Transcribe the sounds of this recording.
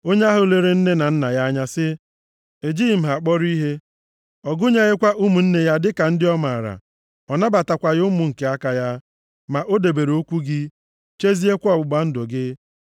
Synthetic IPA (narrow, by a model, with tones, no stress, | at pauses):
o˦ɲe˦a˦ɦʊ˨le˦ɾe˨n̩˦ne˦na˨n̩˦na˨ja˦ɲa˦sɪ˦ | e˨d͡ʒiː˦˨m̩˨ɦa˨k͡pɔ˦ɾi˦ɦe˦ | ɔ˨ɡʊ˦ɲe˦ɣe˦kʷa˦ʔu˦mu˨n̩˦ne˦ja˦dɪ˦ka˨n̩˦dɪ˦ɔ˦ma˨a˨ɾa̰˨ | ɔ˨na˦ba˨ta˨kʷa˨ɣʊ˦mʊ˨ŋ̩˨ke˦a˦ka˨ja˦ | ma˨ʔo˦de˨be˨ɾo˦kʷu˦ɡɪ˦ | t͡ʃe˦zi˦e˦kʷɔ˨bʊ˨ɡ͡ba˦n̩˦dʊ˨ɡɪ˦